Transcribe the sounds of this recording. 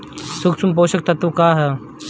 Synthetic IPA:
sʊksumpoːʃək̚t̪ɐt̪ukaːɦɛː

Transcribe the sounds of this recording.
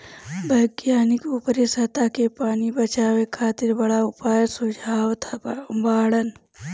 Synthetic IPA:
bʱɐɡjaːnɪkupɾesɐt̪akepaːnibɐt͡ʃaːwekʰaːt̪ɪɾbɐɽaʊpaːjəsʊd͡ʒʱaːwt̪ʰabaːɽən

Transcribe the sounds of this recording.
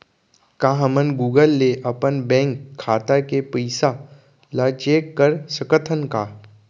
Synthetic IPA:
kaɦɐmənɡuːɡəlːeʔɐpənbɛ̃ːŋkʰːaːt̪akepəɪsa | lat͡ʃeːkːəɾsəkət̪ʰənkaː

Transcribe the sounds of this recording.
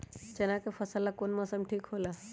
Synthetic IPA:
t͡ʃɐnãːkefɐsəlːakonmasəmʈʰiːkɦoːla

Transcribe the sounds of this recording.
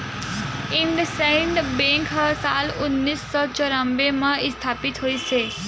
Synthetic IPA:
ɪ̃nd̪əseɪɳɖbẽŋkʰəsaːlʊnːiːsːɔt͡ʃəɾəmbemãɪst̪ʰaːpɪt̪ɦoːise

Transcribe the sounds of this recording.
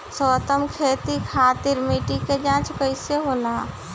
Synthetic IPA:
soːt̪əmkʰeːt̪ikʰaːt̪ɪɾmiːʈiked͡ʒãːt͡ʃkəɪseɦoːlaː

